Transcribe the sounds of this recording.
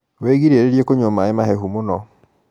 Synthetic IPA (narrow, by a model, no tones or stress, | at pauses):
weːɣiɾeːɾeɾjekoɲomaemaɦɛɦumonɔ